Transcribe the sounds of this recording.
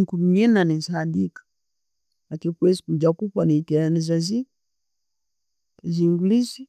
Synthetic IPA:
kum̩ɲɛnanizhadikḁ | lakikwɛzikud͡ʒakupanitɛanizazi | zilizi

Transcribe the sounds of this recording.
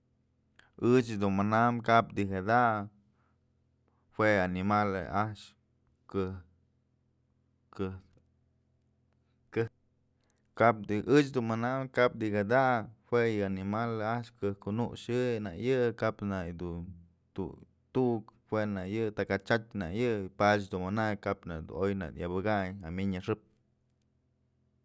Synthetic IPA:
ɨt͡ʃd̪unmanamkapd̪ihad̪aʔ | hwʷeanimalḛaʃ | kɨ | kɨ | kɨ | kap̚d̪iʔɨt͡ʃd̪unmanamkap̚d̪ikad̪ahwʷejɨanimalaʔʃkɨhkunuʔʃɨjnajɨkapnajd̪un | t̪ṵ | t̪uʔkhwenajɨt̪akat͡ʃatʲna̰jɨpat͡ʃd̪unmɨnaʔjkapna̰d̪ṵojna̰d̪jabɨɡajamiɲaʂɨp̚

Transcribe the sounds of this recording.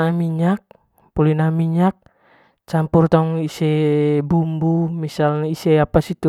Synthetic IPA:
amiɲak̚ | pulinamiɲak̚ | t͡ʃampurt̪auŋisɛbumbumisalnaisɛapasit̪u

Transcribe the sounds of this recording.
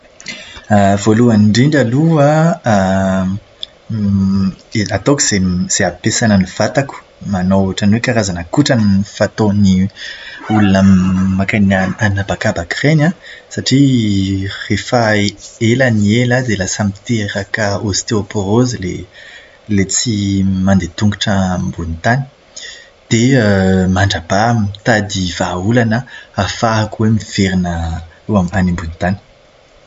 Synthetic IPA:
avoluanɖ͡ʐiɳɖ͡ʐalua | at̪okuz̥ez̥eapesanəniv̥at̪aku̥ | manoaʈ͡ʂanwekaɾazanəkuʈ͡ʂaniifat̪oni | ulunamakanaanabakabakʁenãsaʈ͡ʂi | refaelanielad̪elasamit̪eɾakəost̪eopoɾozile | let͡simand̪et̪uŋɡuʈ͡ʂəmbunit̪ani̥ | d̪̥eəmaɳɖ͡ʐabamit̪ad̪ivaulanəafaɦakuwemiv̥eɾinəewamanimbunit̪ani̥

